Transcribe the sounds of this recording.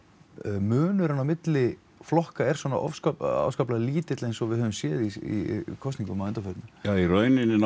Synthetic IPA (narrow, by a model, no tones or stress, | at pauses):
mœːnʏɾanːawmɪt̪lɪ | flɔhkaɛɾ̥swɔːna̰ʔɔ̰fskaa̰vskaplaliːt̪ɪt̪lejnsɔvɪðhœːvʏmsjɛːðiḭkʰɔst̪niŋkʏmaːɛnt̪afœɾt̪nʏjaiɾœɥnɪnːɪn